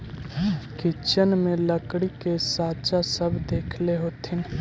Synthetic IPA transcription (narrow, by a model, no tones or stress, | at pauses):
kɪt͡ʃənmẽləkɽikesaːt͡ʃasəbʱd̪eːkʰleɦoːt̪ʰɪn